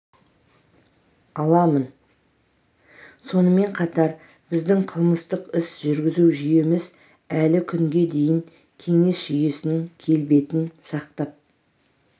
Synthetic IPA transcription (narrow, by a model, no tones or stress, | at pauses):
ɑlˠɑmən | so̞nəme̞ɴqʰɑt̪ɑɾ | bɪzd̪ɪŋqʰəlˠməst̪əqɪsʒʏɾɡʲɪzuʒʏje̞mɪz | ælɪkʲʰʏŋɡʲe̞d̪e̞jɪŋ | kʲʰe̞ŋe̞sʒ̥ʏje̞sɪnɪŋkʲʰe̞lbe̞t̪ɪnsɑqt̪ɑp̚